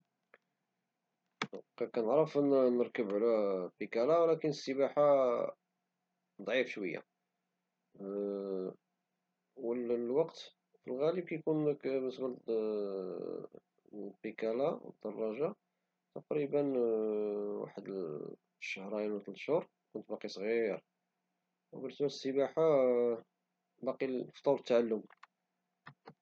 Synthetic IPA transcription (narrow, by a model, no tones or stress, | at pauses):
kækænəʕɾəfənnəɾkəbʕlæbikælawlækənəsːəbaħa | d̪ˤʕifʃwəjːa̰ | wəlwɑqt̪ | filɣæləb̚kæjkunəkməsbəl | bəkælawə̰d̪ːɑrˤːɑʒa | t̪ɑqɾibən | wa̰ħəd̪ | ʃəhɾˤɑjəlwæt̪əlʃhʊɾˤ | kʊnt̪̚bɑqisˤɣiɾ | wbənsæləsːəbaħa | bɑqift̪ːˤɑwɾət̪ːʕalːʊm